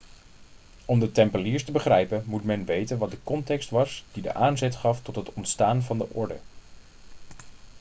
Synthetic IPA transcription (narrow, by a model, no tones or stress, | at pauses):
ɔmdətɛmpəliːɹstəbəχrɛjpənmutmɛnʋejtənʋɑt̚dəkɔntɛkstʋɑsd̥idə̰ʔaːnzɛtχɑftɔtɦətɔntstaːnvɑndəʔɔɹdə̰